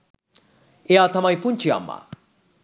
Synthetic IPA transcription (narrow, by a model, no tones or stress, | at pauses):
eat̪ʰɐmajpunt͡ʃʰia̰mːa̰